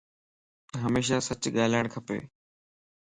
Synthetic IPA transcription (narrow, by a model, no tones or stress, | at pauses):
ɦəmeːʃasət͡ɕɠaːɪləɽ̃kʰəpḛː